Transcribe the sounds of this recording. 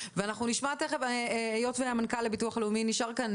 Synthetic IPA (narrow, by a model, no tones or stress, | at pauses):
veanaχnuniʃmateχevaejo̞tveamankalːebituaχaleuminiʃaʁkan